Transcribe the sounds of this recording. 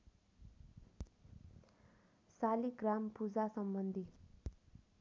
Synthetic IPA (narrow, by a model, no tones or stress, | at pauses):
saliɡrampud͡zasʌmbʌnd̪ʱi